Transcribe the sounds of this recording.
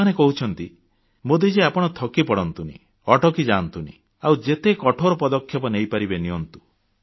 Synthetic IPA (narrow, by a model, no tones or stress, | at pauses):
anekɔɦut͡ʃʰɔnt̪i | mod̪id͡ʒeapɔɽ̃ɔt̪ʰɔkipɔɽɔnt̪unḭ | ɔʈɔkid͡ʒant̪unḭ | awd͡ʒet̪ekɔʈʰoɾɔpɔd̪ɔkʰːjɔpɔnejpaɾibeniɔnt̪u